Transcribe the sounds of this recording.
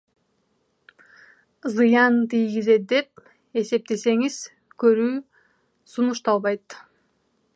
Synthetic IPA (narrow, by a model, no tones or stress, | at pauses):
zɯjɑnt̪ijɡize̞t̪̚d̪e̞p̚ | e̞se̞p̚t̪e̞se̞ŋiz̥ | køɾyː | sunuʃt̪ɑlˠβɑjt̪